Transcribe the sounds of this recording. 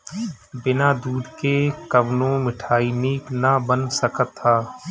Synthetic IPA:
bɪnaːd̪uːd̪kekəʋnõmɪʈʰaːiniːknabənsəkət̪ʰːaː

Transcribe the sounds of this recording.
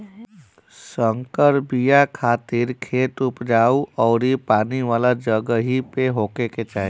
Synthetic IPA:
səŋkəɾbijakʰaːt̪ɪɾkʰeːt̪ʊpd͡ʒaːuʔɔːɾipaːniʋaːlad͡ʒəɡəɦipeɦoːkeket͡ʃaːɦ

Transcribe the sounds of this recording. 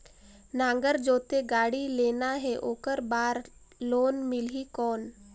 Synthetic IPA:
nãːŋɡəɾd͡ʒoːt̪eɡaːɽileːnaɦɛʔoːkəɾbaːɾ | loːnmɪlɦikɔːn

